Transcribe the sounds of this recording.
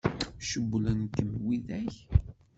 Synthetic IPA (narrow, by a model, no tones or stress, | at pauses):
ʃəbːlænkːəmwiðæç